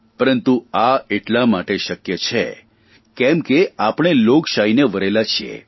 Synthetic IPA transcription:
pəɾənt̪uaeʈlamaʈeʃəkjət͡ʃʰe | kɛmkeapɽ̃eloɡʃaɦineʋəɾelat͡ʃʰiḛ

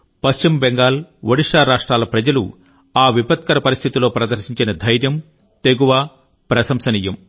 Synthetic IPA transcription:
pɐst͡ʃimbɛŋɡaːlʋɐɽiʂaːɾaːʂʈɾaːlɐpɾɐd͡ʒɐlṵ | aːʋipɐt̪̚kɐɾɐpɐɾist̪ʰit̪ilo̞ːpɾɐd̪ɐɾʃiɲt͡ʃinɐd̪ʱɐjɾjɐm | t̪eɡuʋaː | pɾɐsɐmsɐniːjɐm

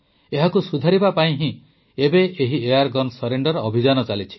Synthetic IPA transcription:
eɦakusud̪ʱaɾibapaĩɦĩ | ebeʔeɦiejaɾɡɔnsɔɾeɳɖɔɾɔːbʱid͡ʒanɔt͡ʃalit͡ʃʰi̥

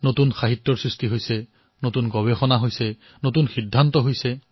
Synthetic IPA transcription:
notunxaɦitːɔɹsɹistiɦojsɛ | notunɡɔbexɔnaɦojsɛ | notunxidʱːantɔɦojsɛ

